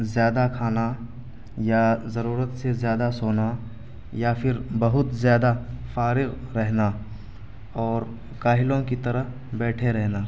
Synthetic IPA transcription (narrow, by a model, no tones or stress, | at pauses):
zjaːd̪akʰaːna | jazɐɾuːɾət̪sezjaːd̪asoːna | japʰɪɾbɐɦʊt̪zjaːd̪afaːɾɪɣɾɛɦna | ɔːɾ | kaːɦɪlõkit̪ɐɾəɦ | bɛːʈʰeɾɛɦnaː